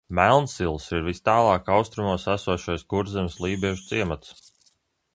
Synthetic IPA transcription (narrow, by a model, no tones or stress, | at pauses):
mælˠnsilˠsiɾvist̪ɑːlˠɑːkɑwst̪ɾumuɔsæsuɔʃɔjsɡuɾzɛmslˠiːbiɛʒut̪siɛmat̪s